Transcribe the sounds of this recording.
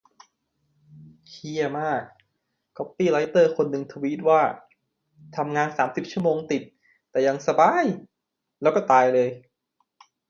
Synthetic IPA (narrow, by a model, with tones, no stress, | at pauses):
kʰi˥˩ɐmaː˥˩k̚ːʰ | ɔ˦˥p̚ːiː˥˩la˦˥jt̪ɤː˥˩kʰo˧nːɯ˧ŋt̪ʰə˧wiː˦˥t̪̚waː˥˩ | t̪ʰa˧mŋaː˧nsaː˩˦msi˨˩p̚t͡ɕʰu˥˩əmoː˧ŋt̪i˨˩t̪̚ː | ɛː˨˩ja˧ŋsa˧baː˧j | lɛː˦˥wkɔː˥˩t̪aː˧jlɤː˧j